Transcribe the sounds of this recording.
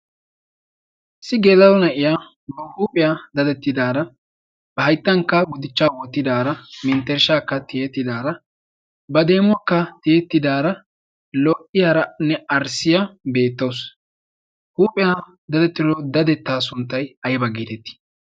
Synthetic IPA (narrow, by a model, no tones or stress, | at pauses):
sɪɡeːlɐwɔnɐʔɪjaː | bɐhuːpʼɛjaːd̪ɐd̪ɛt̪ːɪd̪aːɾɐ | b̥ɐhɐjt̪ːɐŋkːɐɡʊd̪ɪt͡ʃːaːwɔt̪ːɪd̪aːɾɐmɪnt̪ːɛɾʃaːkːɐt̪ɪjɛt̪ːɪd̪aːɾɐ | bɐd̪e̞ːmʊwɐkːɐt̪ɪjɛt̪ːɪd̪aːɾɐ | lɔʔɪjaːɾɐnɛɐɾsɪjabe̞ːt̪ːɐws | huːpʼɪjaː | d̪ɐd̪ɛt̪ːɪɾɔd̪ɐd̪ɛt̪ːaːsʊnt̪ːɐjɐjbɐɡiːt̪ɛt̪ːɪ̥